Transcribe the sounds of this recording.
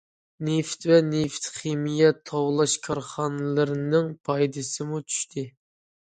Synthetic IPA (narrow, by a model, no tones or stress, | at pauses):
neft̪vɛneft̪χemijɛt̪ʰɑwlˠɑʃkʰɑɾχɑnɨlˠɨɾɨnɨŋpʰɑjd̪ɨsɨmut͡ʃʰy̥ʃt̪ʰɪ